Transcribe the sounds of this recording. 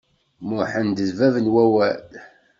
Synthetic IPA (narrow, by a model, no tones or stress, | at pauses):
mʊħənd̪əzvævənwæwæl